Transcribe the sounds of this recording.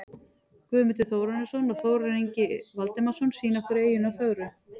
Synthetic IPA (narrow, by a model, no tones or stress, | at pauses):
kvʏːmʏt̪ʏθoːwɾanɪsɔnaθoːwɾɪniɲcɪvalt̪ɪmasɔnsiːnɔwhkʏɾeːjʏnawfœɣɾʏ